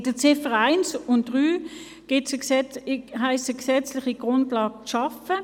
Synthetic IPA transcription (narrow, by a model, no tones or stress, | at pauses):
d̥ət͡sɪfəʁaɪnsʊntd̥ʁyː | ɡ̥ɪts | ɦaɪst͡səksɛt͡slɪχiɡ̥ʁʊndlɑːɡ̚t͡sʃɑfə